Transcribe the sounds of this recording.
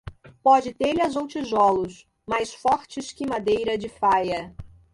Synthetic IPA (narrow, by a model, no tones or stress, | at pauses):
pɔd͡ʒɪt̪elɪɐzowt͡ʃiʒɔlʊs | majsfɔɾt͡ʃɪskɪmad̪ejɾɐd͡ʒɪfajɐ